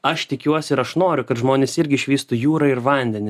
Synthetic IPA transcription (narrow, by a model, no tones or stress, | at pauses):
ɐʃt̪ʲɪkʲuɔsʲɪɪɾɐʃnoːɾʲʊkɐt̪ʒmoːnʲeːsɪɾʲɡʲɪʃʲʋʲiːst̪uːjuːɾɐɪɾʋɐnʲd̪ʲɛnʲɪ